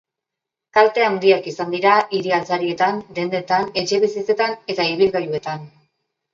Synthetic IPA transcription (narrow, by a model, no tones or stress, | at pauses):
kalt̪e̞and̪iakisand̪iɾaʔiɾialt͡saɾie̞t̪and̪e̞nd̪e̞t̪ane̞t͡ʃe̞βisit͡se̞t̪ane̞t̪aiβ̞ilɣajue̞t̪an